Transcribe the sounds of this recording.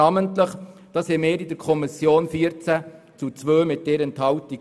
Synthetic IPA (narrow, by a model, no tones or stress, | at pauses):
ɑːməntləχd̥ɑːshɛmɪːɾɪdəɾkʰɔmisjoːnfiəɾt͡sæ | t͡sut͡sʋøːmɪt̚d̥ɛɾɛnthɑwti